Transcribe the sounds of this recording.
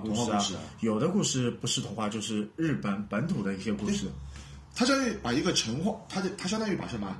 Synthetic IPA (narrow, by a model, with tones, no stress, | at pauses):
ku˧˩ʂ̩˥˧˥ʂjo˨˩ʊd̪ə˦ku˥˧ʂɻ̩˥˩pu˧˥ʂɻ̩˥t̪ʰʊ˧˥ŋxwa˥˧t͡ɕjo˥˧ʊʂɻ̩˥˧ɻɻ̩˥˩pə˧˥npə˧˥nt̪ʰu˨˩d̪ə˦i˧˥ɕjɛ˥ku˥˧˥ʂɻ̩˥˩ | t̪ʰa˥ɕjɑ˥˧y˥˩pa˨˩i˧˥ɡə˥˧ʈ͡ʂʰə˧˥ŋxwɑ˥˩t̪ʰa˥o˥˩t̪ʰa˥ɕjt̪ɑ˥˧y˥˩pa̰˨˩ʂə˥˩ma˧˥˩